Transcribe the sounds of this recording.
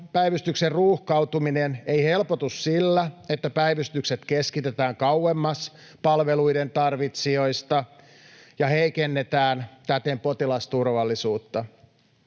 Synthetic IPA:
pæjʋyst̪ykserruːhkɑut̪umineneihe̞lpot̪ussilːæet̪ːæpæiʋyst̪ykset̪keskit̪et̪æːŋkɑuwemːɑs | pɑlʋeluident̪ɑrʋit̪sio̞ist̪ɑ | jɑheikenːet̪æːnt̪æt̪empo̞t̪ilɑst̪urʋɑlːisuːt̪ːɑ

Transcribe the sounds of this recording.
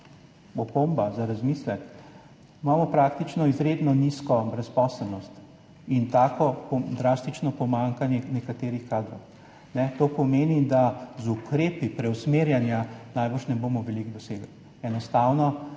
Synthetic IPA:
ɔpombazaɾazmislɛk̪ | imaːmɔpɾaːkt̪it͡ʃnɔizɾeːd̪nɔniskɔbɾɛspɔːsəlnɔst̪ | int̪aːkɔpɔd̪ɾast̪it͡ʃnɔpɔmaŋkanjɛnɛkat̪eːɾixkaːd̪ɾɔw | nɛt̪oːpɔmeːnid̪azukɾeːpipɾɛwsmeːɾjanjanajbəɾʃnɛboːmɔʋɛliɡd̪ɔseɡəl | ɛnɔst̪aːwnɔ

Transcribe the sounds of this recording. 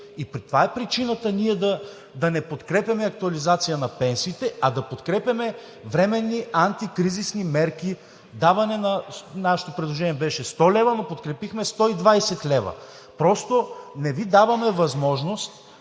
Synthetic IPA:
ipɾit̪ovaɛpɾit͡ʃinət̪əniɛd̪ɐ | d̪ɐnɛpot̪kɾɛpʲjɐmɛɐk̚t̪uɐlizat̪sijənɐpɛnsiːt̪ɛɐd̪ɐpot̪kɾɛpʲjɐmɛ | vɾɛmɛnːiant̪ikɾizisnimɛɾk̟i | d̪avɐnɛnɐnaʃɛ̥t̪opɾɛd̪lˠoʒɛniɛbɛʃɛst̪ɔlɛvɐnopot̪kɾɛpixmɛst̪ɔid̪vajsɛt̪lɛvɐ̰ | pɾɔst̪onɛvid̪avɐmɛvɐzmɔʒnost̪

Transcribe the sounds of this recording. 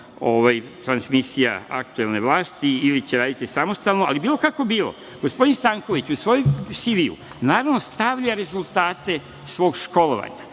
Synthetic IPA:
oʋajt̪ɾansmisija̰a̰kt̪ue̞lne̞ʋlaːst̪iilit͡ɕeɾaːd̪it̪isamo̞st̪aːlnoa̰libiːlˠo̞kako̞biːlo̰ | ɡ̥ospo̞d̪inst̪aːŋko̞ʋit͡ɕusʋo̞jomsiʋiṵ | naːɾaʋno̞st̪aʋʎaɾe̞zulˠt̪aːt̪e̞ | sʋo̞ːɡʃko̞lo̞̰ʋa̰ɲa

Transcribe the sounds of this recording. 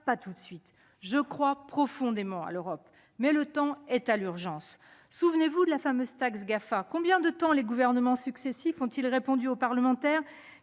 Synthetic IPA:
pat̪ut̪sɥit̪ | ʒəkχwapχɔfɔ̃d̪emɑ̃a̰løʁɔp | mɛlət̪ɑ̃ɛt̪alyʁʒɑ̃sːuvnevud̪əlafamøzt̪aksɡafakɔ̃bjɛ̃d̪ət̪ɑ̃leɡuvɛʁnəmɑ̃syksesifɔ̃t̪ilʁepɔ̃d̪yopaʁləmɑ̃t̪ɛːʁ

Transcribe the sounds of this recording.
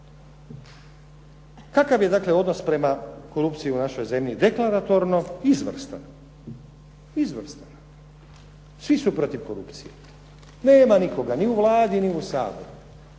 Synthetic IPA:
kakaʋje̞d̪akle̞o̞d̪no̞spɾe̞mako̞ɾupt̪sijiunaʃo̞jze̞mʎid̪e̞klaɾat̪o̞ɾno̞izʋr̩st̪a̰n | izʋr̩st̪ana | sʋisupɾo̞t̪iʋko̞ɾṵpt̪sijḛ | neːmaniko̞ɡaniuʋlˠaːd̪iniusa̰ːbo̰ɾu

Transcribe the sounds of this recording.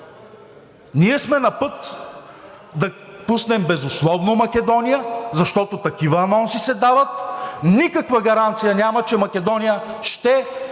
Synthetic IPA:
niɛsmɛnɐpɤt̪ | d̪ɐpusnɛmbɛzʊslˠɔvnomɐkʲɛd̪ɔnijəzɐʃt̪ɔt̪ot̪ɐkivəːnɔnsisɛd̪avɐt̪nikɐkvɐɡɐɾant̪sijɐnʲamɐt͡ʃɛmɐkʲɛd̪ɔnijəʃt̪ɛ

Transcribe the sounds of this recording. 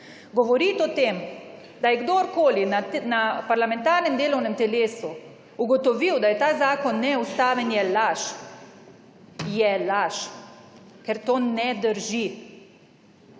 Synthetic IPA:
ɡɔʋɔɾit̪ɔt̪eːm | d̪ajɛɡd̪oɾkoːlinanapaɾlamɛ̃nt̪aːɾnɛmd̪eːlɔwnɛmt̪ɛleːsu | uɡɔt̪ɔʋiwd̪ajɛt̪aːzaːkɔnːɛust̪aːʋɛnjɛlaʃ | jɛlaʃ | kɛɾt̪oːnɛd̪əɾʒi

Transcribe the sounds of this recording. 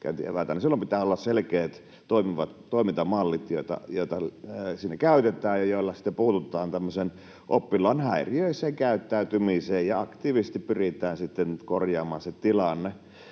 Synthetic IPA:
kæ̰ˑnt̪ḭḛʋælt̪ænsilːompit̪æːolːɑsselkeːt̪ | t̪oimiʋɑt̪t̪oˑimint̪ɑmɑlːit̪joˑit̪ɑ̰joˑit̪ɑsiːnːekæˑyt̪et̪ˑæːjjɑjoˑilːɑsi̥t̪ːepuːt̪ut̪ˑɑːnt̪æmːøsen | ʔopːilˑɑːnhæˑiriøˑiseːŋkæˑyt̪ːæyt̪ymiseːjjɑɑkt̪iːʋisest̪ippyrit̪ˑæːnsit̪ːenkorjɑːmɑːnset̪ilɑnːe

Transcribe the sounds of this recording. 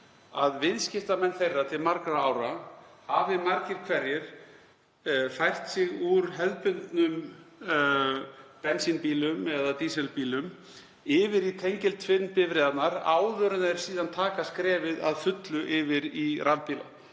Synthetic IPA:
aðvɪðscɪft̪amɛnːθejrːat̪ʰɪlmaɾkɾaaːwɾahavɪmaɾcɪɾ̥kʰvɛɾjɪɾ̥ | fajr̥t̪sɪɣuɾɦɛðpʏnt̪nʏm | pɛnsinpiːlʏmɛðat̪isɛlpiːlʏm | ɪːvɪɾit̪ʰejɲcɪlt̪ʰvɪnːpɪvɾɛːðat̪naɾa̰ːwðœɾʏnɛɾ̥siːðant̪ʰaːkaskɾɛːvɪða̰ðfʏt̪lʏʔɪvɪɾirʔavpiːla̰

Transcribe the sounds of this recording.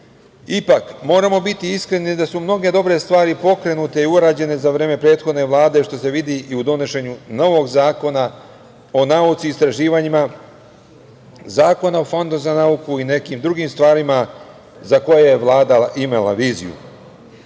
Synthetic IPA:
ipakmo̞ːɾamo̞bit̪iiskɾe̞nid̪asumno̞ɡe̞d̪o̞bɾe̞st̪ʋaːɾipo̞kɾe̞nut̪e̞iuɾaːd͡ʑe̞ne̞zaʋɾe̞ːme̞pɾe̞ːt̪xo̞d̪ne̞ʋlˠaːd̪e̞ʃt̪o̞se̞ʋid̪iʔiud̪o̞ne̞ʃe̞ɲuno̞ʋo̞ɡzaːkona | o̞naut̪siːst̪ɾaʒiːʋaɲima | zaːko̞naofo̞nd̪uzanaukuine̞kiːmd̪ɾuɡiːmst̪ʋaːɾima | zako̞jejeʋlˠaːd̪alaʔimelˠa̰ʋiːzḭjṵ

